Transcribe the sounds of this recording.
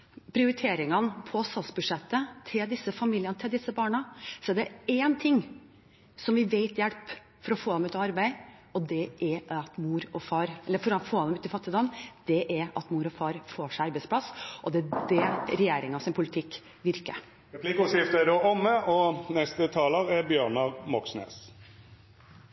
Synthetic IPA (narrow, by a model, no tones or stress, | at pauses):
pʰɾɪʊɾɪt̪ʰeːɾɪŋɑnpʰɔst̪ɑlsbʉd̪ʂɛt̪ːət̪ʰɪld̪ɪsːəfɑmiːljənət̪ʰɪld̪ɪsːəbɑːɳɑsɔæɖɛeːnt̪ʰɪŋː | sɔmʋɪʋeɪt̪jɛlp | fɔɾɔfoːd̪ɛmʉːt̪ɑɑɾbæɪ | ɔd̪ɛʔɛɾɑt̪muːɾɔfɑːɾɛlːəɾfɔɾɑfoːɑnɛmʉːt̪ɪfɑt̪ːɪd̪ɑnd̪̥ɛʔæɾɑ̰t̪muːɾɔfɑːɾfoːʂæɪɑɾbæɪsplɑsʔɔd̪ɛæd̪ɛɾɛjeːɾɪŋɑsɪnpʰʊlɪt̪ʰɪkː | ʋɪɾkə̰ | ɾɛplɪkʊsɪft̪əɾɔɔmːəɔnɛst̪ət̪ʰɑːləʁæɾbjøːɳɑmɔksnḛːs